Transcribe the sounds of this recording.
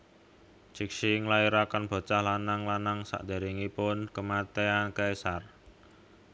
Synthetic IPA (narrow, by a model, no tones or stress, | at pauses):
t͡ʃik̚ʃiŋlaiɾakanb̥a̤t͡ʃahlanaŋlanaŋsa̰ʔd̪̥a̤ɾiŋipʊnkəmat̪eakaesar